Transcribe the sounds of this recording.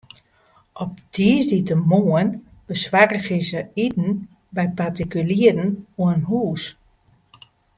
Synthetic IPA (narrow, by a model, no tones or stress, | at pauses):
ʔɔp̚d̥ʰizditəmoənb̥əswarəɣizəitn̩ | bɛjpartikyliədn̩uəənɦuːs